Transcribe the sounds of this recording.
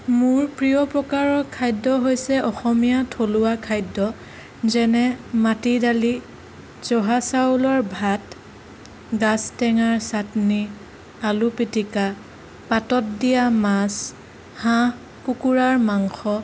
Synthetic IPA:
mʊɹpɹijɔpɹɔkaɹɔkʰajdɔɦojsɛʔɔxɔmijatʰolʊwakʰajdɔ | zɛnɛmatidali | z̥ɔɦasaulɔɹbʱat | ɡastɛŋaɹsatni | alupitika | patɔt̚dijamas | hã | kukuɹaɹmaŋxɔ

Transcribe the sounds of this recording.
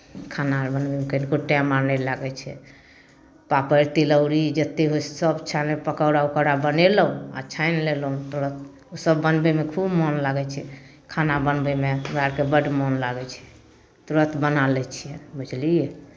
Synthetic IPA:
kʰanaɾbənbemekənkoʈamanɛlaɡɛt͡ʃʰɛ̰ | papəɾt̪iləʊɾid͡ʒət̪ːeɦosəbt͡ʃʰanepəkəwɾaukəɾabəneləũa̰t͡ʃʰajnlelũt̪oɾət̪ | osəbːənbemekʰubmɔnlaɡɛt͡ʃʰɛ | kʰanabənbemeɾaɾkebəɖmɔnlaɡɛt͡ʃʰɛ̥ | t̪uɾət̪ʰbənalɛt͡ʃʰijɛbət͡ʃlijɛ

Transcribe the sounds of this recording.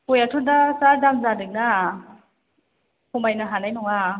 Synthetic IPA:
pojatʰɔndasaɾdaŋzadɯk̚na | kɔmbajnaɦanajnɔŋa

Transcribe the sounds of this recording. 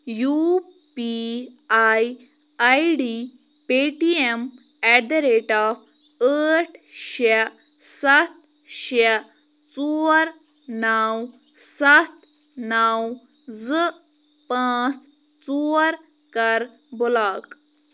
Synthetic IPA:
ju | piaj | ajɖi | peʈiem | ɛɖɾeʈaf | əʈʰɕe | sat̪̚ | ɕe | t͡suɾ | naw | sat̪ | naw | d͡zə | pãt͡s | t͡suɾ | kəɾ | bolak

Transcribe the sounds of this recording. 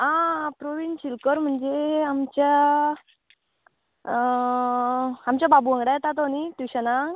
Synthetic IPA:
ɦãpɾoʋind͡ʑɕilkəɾm̤əɳd͡ʑeamt͡ɕja | amt͡ɕjababuə̃ŋɡɽajet̪at̪onit̪iɕanaŋ

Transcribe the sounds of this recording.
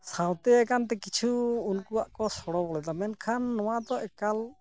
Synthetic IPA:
sãwt̪ɛɛkant̪ɛkit͡ʃʰuunkuwaʔkɔsɔɽɔbɔlɛd̪amɛnkʰanːɔwad̪ɔʔɛkal

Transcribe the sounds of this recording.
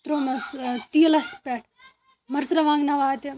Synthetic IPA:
t̪ɾoːmɐst̪iːlɐspʲeʈ̚ʰ | mɐɾsɾɐʋãːŋɡnɐʋaːt̪i

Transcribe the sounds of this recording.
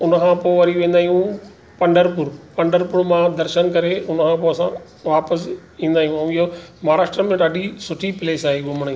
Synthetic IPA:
ʊnəkʰãpoːʋɐɾiʋẽːn̆d̪aːijũ | pɐ̃ɳɖəɾpʊɾpɐ̃ɳɖəɾpʊɾmãd̪ɐɾʃənkɐɾeʊnəkʰãːpoːɐsã | ʋaːpəsĩːnd̪aːijũɐ̃ɪɦomaːɾaːʃʈɾəmẽɗaːɗisʊʈʰipɪleːsaːɦeɡʊmɽ̃i

